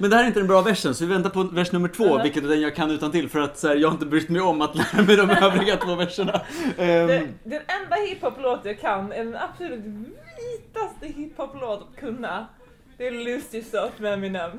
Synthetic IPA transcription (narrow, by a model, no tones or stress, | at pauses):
mɛnd̪ɛhæɾɪnt̪əd̪ɛnbɾɑːvɛʂːənsɔvɪvɛnt̪aɾpʰɔvæʂnɵmːəʈʰv̥oːvɪlkət̪æd̪ɛnjɑːɡkʰanːʉ̟ːt̪ant̪ɪlfœɾat̪sæːɾjɑːɡhaɾɪnt̪əbɾʏkt̪mɛjɔmːat̪læːɾamɛjd̪ɔmøːvɾɪɡat̪ʰvoːvɛʂːəɳadɛd̪ɛnɛnd̪ahɪphɔploːt̪jaːkʰanɛɖɛnapsɔlʉːt̪viːt̪ast̪əhɪpʰhɔploːt̪at̪kʰɵnːa | d̪̥ɛlʉst̪ɪsɔt̪mɛmɪnəm